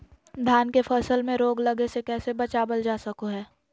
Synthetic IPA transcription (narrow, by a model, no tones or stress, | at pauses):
d̪ʱaːnkefʰəsəlmẽɾoːɡlɐɡesekɛːsebɐt͡ʃaːbəld͡ʒaːsɐkoɦɛː